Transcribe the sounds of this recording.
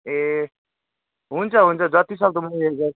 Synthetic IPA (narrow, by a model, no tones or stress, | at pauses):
e | ɦunt͡sʰʌɦunt͡sʰʌd͡zʌt̪isʌk̚d̪umuiɦeɡe